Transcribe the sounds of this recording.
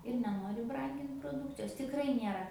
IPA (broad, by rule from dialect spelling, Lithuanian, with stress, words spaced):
ɪr nʲɛˈnoːrʲɪ ˈbrɐŋʲɡʲɪnt proːˈduːkt͡sʲɪjoːs tʲɪkˈrɐɪ ˈnʲiɛrɐ